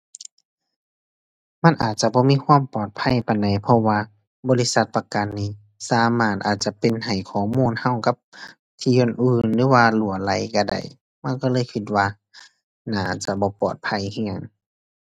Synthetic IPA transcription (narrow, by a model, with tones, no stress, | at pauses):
ma˧˥˨nʔaː˨˩t̪̚t͡ɕa˧˦bɔː˧˦miː˧˥˨kʰwaː˧˥˨mpɔː˨˩t̪̚pʰa˧˥˨jpa˧˨nda˨˩jpʰɔ˧waː˧ | bɔː˧li˧˥sa˧˦t̪̚pa˧ka˨nːiː˧˥˨ | saː˨˦maː˧˩t̪̚ʔaː˨˩t̪̚t͡ɕa˧˦pe˨nha˨˩jkʰɔː˨˩˦muː˧˨nha˧˥˨wka˧˦p̚ | t̪ʰiː˧ʔo˧˨nʔɯː˧˨nlɯː˧˦waː˧lu˨˩˦ɐla˧˦jka˧˩da̰˧˩j | ma˧˥˨nkɔː˧lɤː˧˨jkʰi˧t̪̚waː˧ | naː˧˩t͡ɕa˧˦bɔː˧˦pɔː˨˩t̪̚pʰa˧˥˨jha˧ŋːa˧˩ŋ